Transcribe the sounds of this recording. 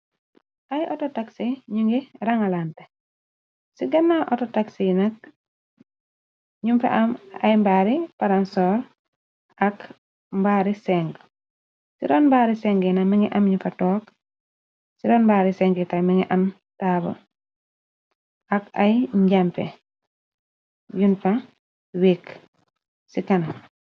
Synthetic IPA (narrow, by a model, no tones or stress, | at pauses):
ʔajʔɔtɔtaksiɲuŋɡiɾaŋalante | siɡɐnːaʔɔtɔtaksinɐk̚ | ɲumfḛʔɐmɐ̰jmbaːɾipaɾansɔɾ | ʔɐk | mbaːɾisɛŋɡ | sidɔːnmbaːɾisɛŋɡɛnamiŋiʔɐmɲufɐtɔːk | sidɔnbaːɾisɛŋɡɛtamiŋiʔɐm | taːbɐ̰ | ʔɐkɐ̰jɲɟampɛ̰ | junfɐ | wik | sikɐnɐ